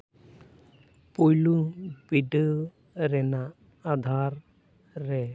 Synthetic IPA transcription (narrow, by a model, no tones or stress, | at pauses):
pujlubiɖɯ | ɾɛnaː | d̪ʱaɾː | ɛ